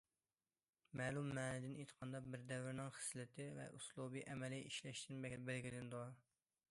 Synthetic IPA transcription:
mɛːlˠumːɛːnɪd̪ɪnet̪ʰə̥qʰɑnd̪ɑbɪɾd̪ɛvɾɪnɪŋχə̥slɪt̪ʰɪvɛ̰ʔuslˠubiʔɛmɛlɪʔiʃlɛʃt̪ʰɪnbɛbælɡʲilɪnd̪u

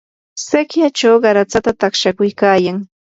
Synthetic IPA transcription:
sekjat͡ʃawɢɑɾat͡sat̪at̪aχʃakʊjkaːjaŋ

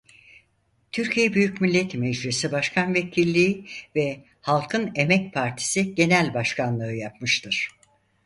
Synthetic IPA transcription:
t̪ʰyɾcʰijɛbyjycmilʲːɛt̪mɛd͡ʒɾisibaʃkʰanvecʰilʲːiːvɛ | halˠkʰɯne̞mɛc̚pʰaɾt̪ʰi̥siɟe̞nælʲbaʃkʰanlˠɯɯjap̚mɯʃt̪ʰɯɾ̥

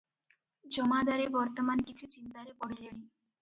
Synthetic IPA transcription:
d͡ʑɔmad̪aɾebɔɾt̪omankit͡ɕʰut͡ɕint̪aɾepɔɽileni

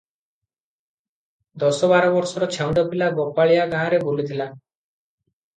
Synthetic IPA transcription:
d̪ɔsɔbaɾɔbɔɾsɔɾɔt͡ʃʰɛwɳɖɔbilabɔpaɭijaɡããɾebolit̪ʰila

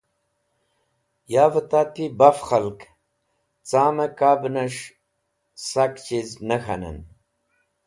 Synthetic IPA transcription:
jaːvət̪aːt̪ibafxɐlk | t͡saːmɐkaːbnɐʂ | sakt͡ɕiznəxa̰nə̰n

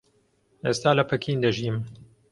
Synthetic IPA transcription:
ʔeːst̪aːlɐpʰɐkʰind̪ɐʒim

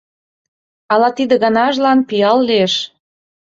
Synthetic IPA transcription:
ɑlɑt̪id̪ə̆ɣɑnɑʒlɑnpijɑlːieʃ

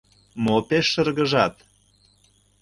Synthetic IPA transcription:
mopeʃːə̆rɣə̆ʒɑt̪

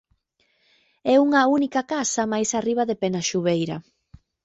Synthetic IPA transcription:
ɛuŋɐunikɐkasɐmajsariβ̞ɐðepɛnaʃuβejɾɐ̰

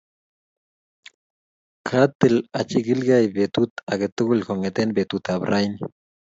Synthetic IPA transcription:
kʰat̪ːelat͡ʃiɡilɡajbet̪ut̪aɡet̪uɡulkoŋet̪enbet̪ut̪abɾʔajni

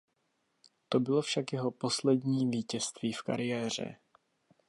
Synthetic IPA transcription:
t̪o̞bɪlo̞fʃakjɛɦo̞po̞slɛdɲiːviːcɛst̪viːfka̰ɾɪjɛːr̝ɛ̰

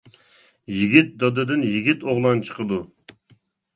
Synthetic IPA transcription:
jiɡʲit̪̚d̪ɑd̪ɨd̪ɨnjiɡʲit̪oʁlˠɑnt͡ʃʰə̥qəd̪u

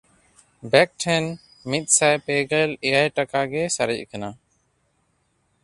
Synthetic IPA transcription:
bɛk̚ʈʰɛn | mit̪̚ˀsajpɛɡɛlɛjajʈakaɡɛsaɾic̚kana

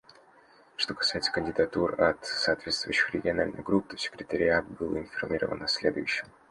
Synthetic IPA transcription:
ʂt̪o̞kɐ̥sajɪt̪sə̥kənʲdʲɪd̪ɐt̪urɐt̪sɐːt̪vʲe̞t̪st̪vʊ̰jʊɕːɪxɾʲɪɡʲɪɐna̰lʲnə̰jɡɾupːt̪osʲɪ̥kɾʲɪt̪əɾʲɪat̪̚bɨlˠɪnfɐrmʲiɾə̰və̰nɐsʲlʲe̞d̪ʊ̰jʉɕːɪm

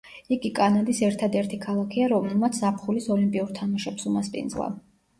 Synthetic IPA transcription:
iɡikʼanad̪isɛɾt̪ʰad̪ɛɾt̪ʰikʰalˠakʰiaɾɔmɛmat̪sʰapχulisɔlimpʼiuɾt̪ʰamaʃɛpsumaspʼḭnd̪zlˠa̰

